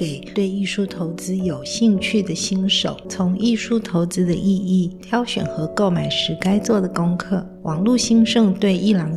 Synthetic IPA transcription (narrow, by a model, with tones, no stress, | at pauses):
e˨˩ɪt̪we˥˧ɪi˥˩ʂu˥t̪ʰo˧˥ʊt͡sɹ̩˥jo˨˩ʊɕi˥˧ŋt͡ɕʰy˥˩d̪ə˩ɕi˥ŋʂo˨˩˦ʊt͡sʰʊ˧˥ŋi˥˩ʂu˥t̪ʰo˧˥ʊt͡sɹ̩˥d̪ə̰˧ʔi˥˧i˥˩t̪ʰjɑ˥ʊɕɥɛ̰˨˩nxɤ˧˥ko˥˩ʊma˨˩ɪʂɻ̩˧˥ka˥ɪt͡swɔ˥˩d̪ə˩kʊ˥ŋkʰɤ˥˩ | wʔɑ˨˩ŋlu˥˩ɕi˥ŋʂɤ˥˧ŋt̪we˥˧ɪʔi˥˩lɑ˨˩ŋ